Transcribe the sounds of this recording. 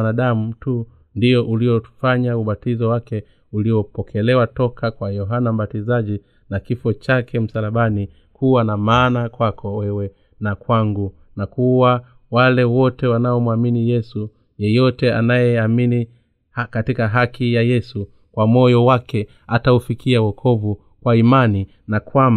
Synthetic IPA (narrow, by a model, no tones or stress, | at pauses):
naɗamutu | ndiɔʔuliɔu̥faɲauɓatizɔwakɛ | uliɔpɔkʰɛlɛwatɔkʰakwajɔɦanam̩ɓatizaʄi | nakifɔt͡ʃakɛm̩salaɓani | kuwanamaːnakwakʰɔwɛwɛ | nakwaŋɡu | nakuwa | walɛwɔtɛwanaɔmwaminijɛsu | jɛjɔtɛanajɛamini | hakatikaɦakijajɛsu | kwamɔjɔwakɛ | ataufikiawɔkʰɔvu | kwaimani | nakwama